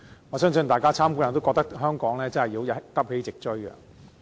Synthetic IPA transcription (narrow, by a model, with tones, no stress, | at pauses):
ŋɔː˨˧sœː˥ŋsɵ˧nt̪aː˨jkaː˥t͡sʰaː˥mku˧˥jɐ˨˩nt̪o˥kɔː˧k̚t̪ɐ˥kɦœː˥ŋkɔː˨˥ŋlɛː˥t͡sɐ˥nhɐ˨jiː˨˧wjɐt̪ɐ˥p̚he˨˥jt͡sɪ˨k̚t͡ʃɵ˥ɥkɐ̰˧